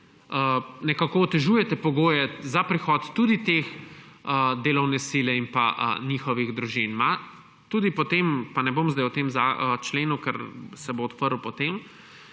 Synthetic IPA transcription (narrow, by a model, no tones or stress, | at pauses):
ənɛkakoɔt̪ɛʒuːjɛt̪ɛpɔɡoːjɛzapɾixɔːt̪ːud̪it̪eːxəd̪eːlɔwnɛsilɛimpa̰ʔə̰nixɔʋiɣd̪ɾuʒinma | t̪uːd̪ipɔt̪empanɛbomzd̪ajwt̪emzaət͡ʃleːnukɛɾsɛboːt̪pəɾupɔt̪em